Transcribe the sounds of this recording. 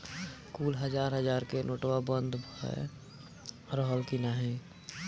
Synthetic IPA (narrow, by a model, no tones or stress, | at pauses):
kuːlɦəd͡ʒaːɾɦəd͡ʒaːɾkenʔoːʈwabə̃nd̪ʱbɛ̰ | ɾəɦəlkinaːɦĩ